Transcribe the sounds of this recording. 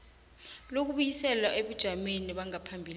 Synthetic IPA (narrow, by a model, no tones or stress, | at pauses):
lok̬uɓujisɛlwaʔeɓud̥ʒ̥ʱameniɓaŋapʰambʱil